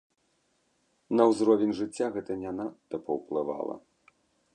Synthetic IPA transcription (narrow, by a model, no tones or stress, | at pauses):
nɐwzɾɔvʲɛnʲʐɨt͡sʲːaɣɛt̪ɐnʲanad̪ɐpɐwplˠɨva̰lˠɐ̰